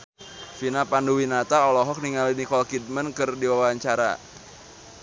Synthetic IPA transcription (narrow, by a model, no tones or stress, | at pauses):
finapanduwinat̪aɔlɔɦɔk̚niŋalinikɔlkid̪̚mənkɨrdiwawaɲt͡ʃaɾa̰